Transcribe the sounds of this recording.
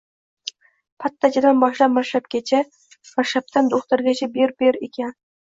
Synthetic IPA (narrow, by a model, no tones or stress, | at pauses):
pʰat̪ʰːat͡ʃʰad̪anbɒʃlapmaʃap̚kʲet͡ʃʰa | maʃap̚t̪ʰand̪oχt̪aɾɡʲat͡ʃʰabeɾbeɾekʲʰan